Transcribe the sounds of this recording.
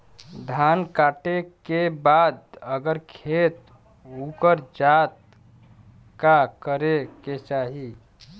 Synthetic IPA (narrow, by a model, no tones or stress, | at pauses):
d̪ʱankaʈekebad̪əɡəɾkʰet̪ | ukəɾd͡ʒat̪̚ | kakəɾeket͡ʃaɦi